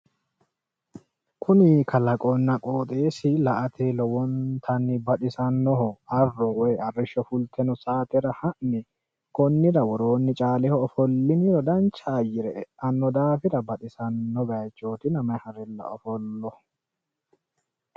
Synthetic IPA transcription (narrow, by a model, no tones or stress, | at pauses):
kʰʊnɪkʰɐlɐkʼɔnːɐkʼo̞ːt̪ʼeːsɪlɐʔɐt̪ʰeːlɔwɔnt̪ʰɐnːɪbɐt̪ɪsɐnːɔhɔɐrːɔwɔjɐrːɪʃːɔfʊlt̪ʰɛnɔsaːt̪ɛɾɐhɐʔnɪ | kɔnːɪɾɐwɔɾoːnːɪt͡ʃʼaːlɛhɔːfɔlːɪnɪɾɔd̪ɐnt͡ʃːɐːjːɪɾɛʔɛʔɐnːɔd̪aːfɪɾɐbɐt̪ɪsɐnːɔɡɐjt͡ʃʼːo̞ːt̪ɪnɐmɐjhɐɾɪlːɐ̰ɔfɔlːɔ